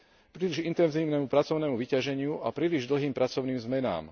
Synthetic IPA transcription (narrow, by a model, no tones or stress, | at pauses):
pɾiːliʒint̪ɛnziːʊnɛmupɾat͡sɔʊnɛmuʋicaʒɛɲɪuʔapɾiːliʒd̪l̩ɦiːmpɾat͡sɔʊniːmzmɛna̰ːm